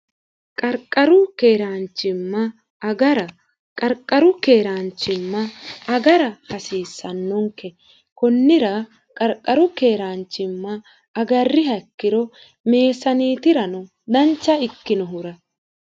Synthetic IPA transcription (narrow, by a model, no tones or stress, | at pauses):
kʼɐɾkʼːɐɾʊkeːɾaːnt͡ʃːɪmːɐː | ɡɐɾɐ | kʼɐɾkʼːɐɾʊke̞ːɾaːnt͡ʃːɪmːɐːɡɐɾɐhɐsiːsːɐnːɔŋkːɛ | kɔnːɪɾɐ | kʼɐɾkʼːɐɾʊke̞ːɾaːnt͡ʃːɪmːɐː | ɡɐrːɪhɐkːɪɾɔ | me̞ːsɐniːt̪ɪɾɐnɔ | d̪ɐnt͡ʃːɐɪkːɪnɔɦʊɾɐ